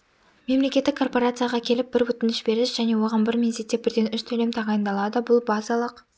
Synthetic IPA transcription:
me̞mle̞kʲet̪ːɪkʰːo̞rpo̞ɾat̪sɨjaʁɑkʲʰe̞lɪp̚bɪɾwɵt̪ɪnɪʃbe̞ɾɪʃʒ̥æne̞wo̞ʁɑnbɪɾmʲenset̪ːe̞bɪɾd̪e̞nʏʃt̪ʰɵle̞mt̪ʰɑʁɑjənd̪ɑlˠɑd̪əbʊlˠbɑzɑlˠəq

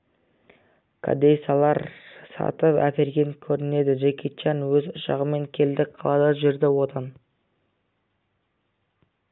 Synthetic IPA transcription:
kʰa̰d̪ej̪sɑlˠɑɾsɑ̰t̪əpæ̰kʲe̞ɾɡʲe̞ŋkʲʰɵɾɪne̞d̪ɪʒekʲʰet͡ʃɑnwɵzʊʃɑ̰ʁəme̞ŋkʲʰe̞ld̪ɪqʰɑlˠɑd̪ɑʒɪɾd̪ɪwot̪ʰɑn

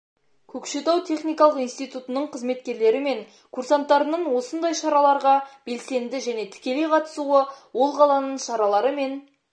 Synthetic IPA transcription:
kʲʰɵkʃe̞t̪ɑwt̪ʰe̞χnijkɑlˠəqinst̪ijt̪ut̪ənəɴqʰəzme̞t̪kʲe̞ɾle̞ɾɪme̞ŋ | kʰursant̪ːɑɾənəɴwo̞sənd̪ɑjʃɑɾɑlˠɑɾʁɑb̥e̞lse̞nd̪ɪʒæne̞t̪ʰɪ̥kʲe̞leqʰɑt̪ə̥suəwo̞lˠqɑlˠɑnəɴʃɑɾɑlˠɑɾəme̞n

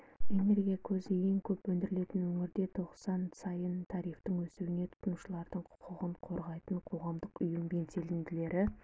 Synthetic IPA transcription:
e̞ne̞ɾɡʲijakʲʰɵzɪje̞ŋkʲʰɵpwɵnd̪ɪɾɪle̞t̪ɪnwɵŋɪɾd̪e̞t̪ʰo̞qsɑnsɑjənt̪ʰɑɾijft̪əŋwɵsuwɪne̞t̪ʰʊ̥t̪nuʃəlˠɑɾd̪əɴqʰʊ̥qʰʊʁəɴqʰo̞ɾʁɑjt̪əɴqʰo̞ʁɑmd̪əqʊjəmbe̞nse̞lɪnd̪ɪle̞ɾɪ

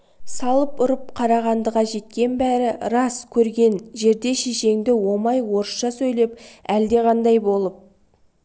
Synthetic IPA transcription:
sɑlˠəpʊɾəp̚qʰɑɾɑʁɑnd̪əʁɑʒe̞t̪̚kʲe̞nbæɾɪɾɑskʲʰɵɾɡʲe̞nʒe̞ɾd̪e̞ʃeʃe̞ŋd̪ɪwo̞mɑjwo̞ɾəsʃɑsɵjle̞pæld̪e̞ʁɑnd̪ɑjbo̞lˠəp̚

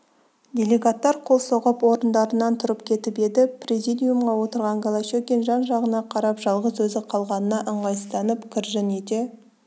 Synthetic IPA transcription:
d̪ʲe̞lʲe̞ɡat̪ːɑɾqʰo̞lˠsoʁəpwo̞ɾənd̪ɑɾənɑnt̪ʰʊɾəpkʲʰe̞t̪ɪpe̞d̪ɪprʲezijd̪ʲijumʁɑwo̞t̪əɾʁɑŋɡolˠaʃekʲenʒɑnʒɑʁənɑqʰɑɾɑpʒ̥ɑlˠʁəzwɵzɪqʰɑlˠʁɑnənɑʔəɴʁɑjəst̪ɑnəpkʲʰɪɾʒɪned̪e̞

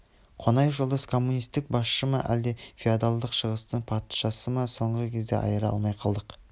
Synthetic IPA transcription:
qʰo̞nɑjəfʒolˠd̪ɑskʰo̞mːunijst̪ɪk̚bɑsʃəmɑʔæ̰ld̪e̞fʲiad̪alˠd̪əqʃəʁəst̪əɴpʰɑt̪ʃɑsəmɑso̞ɴʁəkʲʰe̞zd̪e̞̰ʔɑ̰jəɾɑɑ̰lˠmɑjqʰɑlˠd̪əq

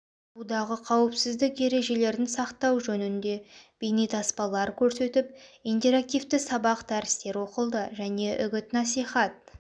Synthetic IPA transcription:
ud̪ɑʁəqʰɑwəpsɪzd̪ɪkje̞ɾe̞ʒe̞le̞ɾd̪ɪnsɑqt̪ɑwʒɵnɪnd̪e̞b̥ejnijt̪ʰɑspɑlˠɑɾkʲʰɵɾse̞t̪ɪp̚ijnt̪e̞ɾak̚t̪ijft̪ɪsɑbɑqd̪æɾɪst̪e̞ɾwo̞qəlˠd̪əʒæne̞ʔʏɡʲɪt̪nɑsijχɑt̪̚

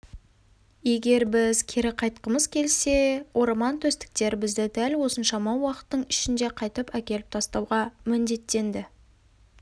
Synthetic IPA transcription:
je̞ɡʲe̞ɾbɪzkʲʰeɾɪqʰɑjt̪̚qəməzkʲʰe̞lse̞wʔo̞ɾmɑnt̪ʰɵst̪ɪ̥k̚t̪e̞ɾbɪzd̪ɪd̪ælwo̞sənʃɑmɑwɑqə̥t̪ːəɴɪʃɪnd̪e̞qʰɑjt̪əpækʲe̞lɪp̚t̪ʰɑst̪ɑwʁɑmɪnd̪e̞t̪ːe̞nd̪ɪ

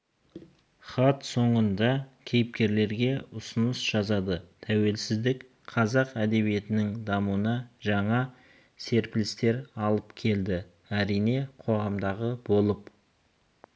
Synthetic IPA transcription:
χɑt̪so̞ɴənd̪ɑkʲʰe̞jɪpkʲe̞ɾle̞ɾɡʲe̞ʊsənəsʒ̥ɑzɑd̪ət̪ʰæwe̞lsɪzd̪ɪk | qʰɑzɑqæd̪e̞βije̞t̪ɪnɪŋd̪ɑmuənɑʒɑɴɑ | se̞ɾplɪst̪e̞ɾɑlˠəpkʲʰe̞ld̪ɪ | æɾijne̞qʰo̞ʁɑmd̪ɑʁəbo̞lˠəp

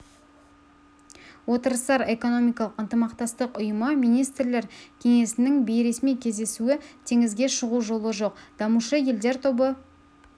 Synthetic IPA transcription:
wo̞t̪əɾəst̪ɑɾe̞ko̞no̞mijkɑlˠəqənt̪əmɑqt̪ɑst̪əqʊjəməmijnijst̪ɾle̞ɾkʲʰe̞ŋe̞sɪnɪŋbejɾe̞smijkʲʰe̞zd̪e̞suɪt̪ʰe̞ŋɪzɡʲe̞ʃəʁuʒo̞lˠəʒo̞qd̪̥ɑmuʃəje̞ld̪e̞ɾt̪ʰo̞bə

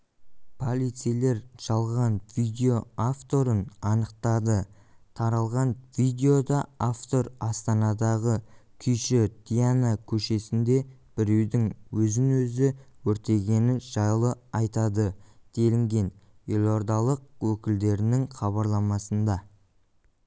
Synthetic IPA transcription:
pʰo̞lʲˠit̪sijle̞ɾʒ̥ɑlˠʁɑnv̥id̪ʲeo̞aft̪o̞ɾənɑnəqt̪ɑd̪ə | t̪ʰɑɾɑlˠʁɑnvid̪ʲe̞o̞d̪ɑaft̪o̞ɾɑst̪ɑnɑd̪ɑʁəkʲʰʏjʃɪt̪ʰijanakʲʰɵʃe̞sɪnd̪e̞ | b̥ɪɾe̞wd̪ɪŋwɵzɪnwɵzɪwɵɾt̪e̞ɡʲe̞nɪnʒ̥ɑjlˠəɑjt̪ɑd̪əd̪̥e̞lɪŋɡʲe̞nje̞lˠo̞ɾd̪ɑlˠəq̚wɵkʲɪld̪e̞ɾɪnɪŋχɑβɑɾlˠɑmɑsənd̪ɑ

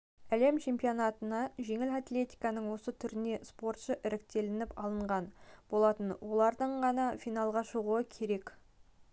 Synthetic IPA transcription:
æle̞mt͡ʃʰe̞mpijo̞nɑt̪ənɑʒe̞ŋɪlat̪lʲe̞t̪ijkɑnəɴwo̞sət̪ʰʏɾɪne̞spo̞ɾt̪ʃəʔɪɾɪk̚t̪e̞lɪnɪpɑlˠəɴʁɑnb̥o̞lˠɑt̪ənwo̞lˠɑɾd̪əɴʁɑnɑfijnɑlˠʁɑʃəʁuəkʲʰe̞ɾe̞k

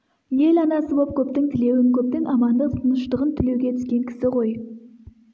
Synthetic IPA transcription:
je̞lɑnɑsəbo̞p̚kʲʰɵp̚t̪ɪŋt̪ʰɪle̞wɪŋkʲʰɵp̚t̪ɪŋʔɑmɑnd̪ət̪ʰənəʃt̪əʁənt̪ʰʏle̞wɡʲe̞t̪ʰʏ̥skʲe̞ŋkʲʰɪ̥sɪqʰo̞j

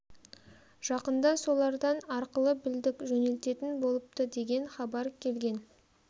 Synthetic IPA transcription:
ʒ̥ɑqənd̪ɑso̞lˠɑɾd̪ɑnɑɾqəlˠəbɪld̪ɪkʒɵne̞lt̪e̞t̪ɪnbo̞lˠəp̚t̪əd̪e̞ɡʲe̞nχɑbɑɾkʲʰe̞lɡʲe̞n

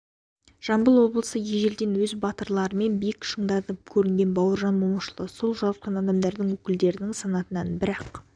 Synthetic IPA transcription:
ʒ̥ɑmbəlˠwo̞blˠəsəjeʒe̞ld̪e̞nwɵzbɑt̪əɾlˠɑɾəme̞nbijɪkʃəɴd̪ɑt̪əp̚kʲʰɵɾɪŋɡʲe̞nbɑwəɾʒɑnmoməʃəlˠəso̞lˠʒɑwət̪̚qɑnɑd̪ɑmd̪ɑɾd̪əŋwɵkʲɪld̪e̞ɾɪnɪŋsɑnɑt̪ənɑnbɪɾɑq

